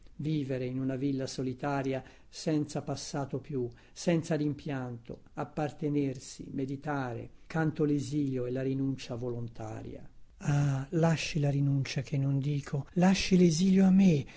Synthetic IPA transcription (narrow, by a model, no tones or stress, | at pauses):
viːveɾeinunavilːasolit̪aːɾja | sɛnt̪sapasːaːt̪opju | sɛnt̪sad̪impjant̪o̰ | apːart̪enersḭmed̪it̪aːɾḛkant̪oleziːljoɛlːaɾinunt͡ʃavolont̪ʰa̰ːɾj̰a̰alaʃːilaɾinunt͡ʃakʰenːond̪iːkʰolaʃːileziːljoamːe